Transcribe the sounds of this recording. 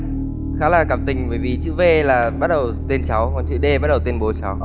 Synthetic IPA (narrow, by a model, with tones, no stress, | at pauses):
xaː˨˦laː˨˩kaː˧˩mt̪ï˨˩ŋ̟ɓəː˧˩˦jvi˨˩t͡ɕɨ̰˧˥ve˧laː˨˩ɓa˦˥ɗə˨˩wt̪e˧nt͡ɕa˨˦wkɔ˨˩nt͡ɕḭ˧˨ɗe˧ɓa˦˥t̚ɗə˨˩wt̪ə˧nɓo˨˦t͡ɕa˨˦w